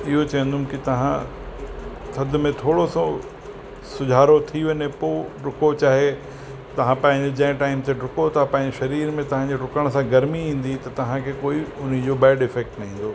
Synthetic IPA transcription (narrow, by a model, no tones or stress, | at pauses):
ɪɦot͡ɕɐə̃nd̪ʱʊmkɪt̪ɐɦã̰ | t̪ʰɐd̪̆ʱmẽt̪ʰoːɽosõ | sʊd͡ʑʱaːɾot̪ʰiʋɐnepoːɖʊkot͡ɕaːɦe | t̪ɐʋ̤ãpɐ̃ɦɪ̃ɲd͡ʑod͡ʑɐ̃ɦɪ̃ʈaːɪmt̪ʰeɖʊkot̪apɐ̃ɦɪ̃ɲd͡ʑeʃɐɾiːɾmẽt̪ɐʋ̤ãɲd͡ʑeɖʊkəɽ̃sãɡɐɾmiĩːn̆d̪it̪ɐt̪ɐʋ̤ãkʰeːkoːiʊn̤id͡ʑoːbɛːɖɪfɛːk̚ʈnɐɦĩːn̆d̪oː